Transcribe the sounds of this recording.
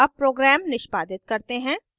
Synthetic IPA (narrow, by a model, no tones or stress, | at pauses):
ɐb̚pɾoːɡɾɛːmnɪʃpaːd̪ɪt̪kɐɾt̪eɦɛ̃ː